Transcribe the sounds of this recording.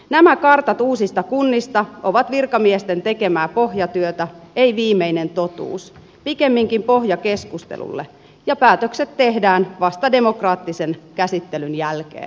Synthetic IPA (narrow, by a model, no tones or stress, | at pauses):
næmækɑrt̪ɑt̪uːsist̪ɑkunːist̪ɑʔo̞ʋɑt̪ʋirkɑmiest̪e̞nt̪e̞ke̞mæːpoɦjɑt̪yøt̪æeiʋiːmeinent̪o̞t̪ṵːs | pike̞mːiŋkimpo̞ɦjɑke̞skust̪ḛlṵlːḛ | jɑpæːt̪økset̪tːe̞ɦdæːnʋɑst̪ɑde̞mo̞krɑːt̪ːisenkæsit̪ːelynjælkḛːn